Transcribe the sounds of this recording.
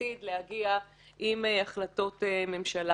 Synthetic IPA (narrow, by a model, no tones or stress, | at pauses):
id̪lehaɡia | ʔimeaχlato̞teme̞mʃala